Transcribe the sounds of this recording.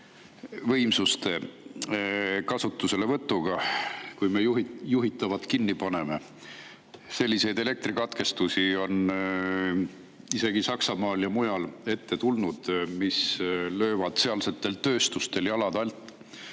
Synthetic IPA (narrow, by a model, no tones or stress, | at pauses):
vɤ̞jmsust̪e̞ | kɑsut̪ːˑuse̞le̞vɤt̪ːˑuɡ̥ɑkujmejuɦjuɦit̪ːˑɑvɑt̪ˑkinːipɑne̞me̞ | se̞lʲːise̞jd̪e̞le̞k̚t̪rikɑt̪ke̞st̪usio̞n | ise̞ɡ̥isɑksɑmɑːljɑmujɑle̞t̪ːe̞t̪ulnud̪̥mislø̞ːvɑd̪̥se̞ɑlse̞t̪ːˑe̞lt̪ø̞ːst̪ust̪e̞ljɑlɑd̪̥ɑlt̪ːˑ